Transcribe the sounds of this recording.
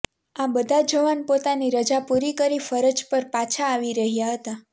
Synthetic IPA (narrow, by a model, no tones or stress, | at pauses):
abəd̪ʱad͡ʒəʋanpot̪aniɾəd͡ʒapuɾikəɾifəɾəd͡ʒpəɾpat͡ʃʰaːʋiɾəɦjaɦət̪a